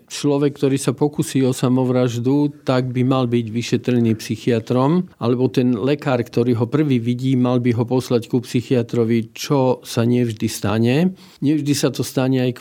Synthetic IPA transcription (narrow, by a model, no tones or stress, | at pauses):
t͡ʃlɔʋɛkːt̪ɔɾiːsapɔkusiːɔsamɔʋɾaʒd̪ut̪aɡ̚bimalbiɟʋiʃɛt̪ɾɛniːpsixiat̪ɾɔmʔalɛbɔt̪ɛnlɛkaːɾkt̪ɔɾiːɦɔpr̩ʋiːʋiɟiːmalbiɦɔpɔslackupsixiat̪ɾɔʋit͡ʃɔsaɲɪɛvʒd̪ist̪aɲɛ | ɲɪɛvʒd̪isat̪ɔst̪aɲɛajk